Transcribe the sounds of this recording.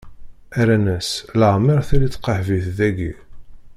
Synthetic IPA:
æɾænæsləʁmiɾˤθælit͡sːqəħviθðæɡḭ

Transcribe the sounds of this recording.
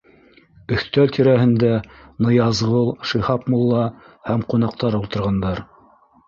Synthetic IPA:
ɵ̆θt̪ælt̪ʰiɾæɦɘ̆nd̪ænɤ̆jɑzʁɤlˠʃɤ̆hɑpmulˠːɑ | hæmqunɑqt̪ɑɾulˠt̪ɤ̆ɾʁɑnd̪ɑɾ

